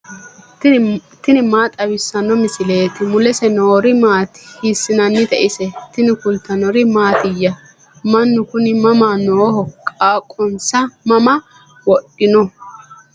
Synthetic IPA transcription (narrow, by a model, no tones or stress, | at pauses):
t̪ɪnɪmaːt̪ʼɐwɪsːɐnːɔmɪsɪle̞ːt̪ɪmʊlɛsɛnoːɾɪmaːt̪hisːɪnɐnːɪt̪ɛʔɪsɛt̪ɪnɪkʊlt̪ːɐnɔɾɪmaːt̪ɪjːɐ | mɐnːʊkʊnɪmɐmaːnoːhɔkʼaːkʼːɔnsɐmɐmɐ | wɔɗɪnɔ